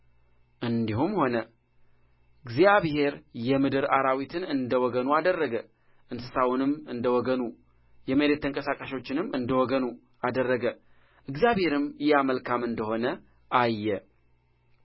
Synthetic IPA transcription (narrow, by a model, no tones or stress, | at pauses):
ʔɨnd̪ihumho̞nə | ɨɡzjaβhe̞ɾjɛmɨd̪ɨɾaɾawit̪ʰɨnɨnd̪əwɔɡənuad̪ərːəɡə | ʔɨnsɨsawʊnɨmɨnd̪əwɔɡənu | jɛməɾet̪ʰːəŋkʼəsakʼaʃot͡ʃːɪnɨmɨnd̪əwɔɡənu | ad̪ərːəɡə | ʔɨɡzjaβhe̞ɾɨmjɛaməlkʰamɨnd̪əho̞nə | ʔajːɛ